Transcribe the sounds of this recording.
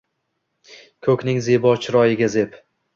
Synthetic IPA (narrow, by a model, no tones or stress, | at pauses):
kʰɵkʲnɪŋzebɒt͡ʃʰɾɒjɪɡʲaze̞p